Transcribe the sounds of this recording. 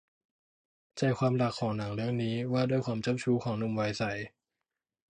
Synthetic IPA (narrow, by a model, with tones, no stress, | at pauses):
t͡ɕa˨˩jkʰwaː˧mla˨˩kʰːɔː˩˦ŋna˩˦ŋɾɯ˥˩əŋniː˦˥waː˥˩du˥˩jkʰwaː˧mt͡ɕa˥˨p̚t͡ɕʰuː˦˥kʰɔː˩˦ŋnu˧˩mwa˧jsa˨˩˦j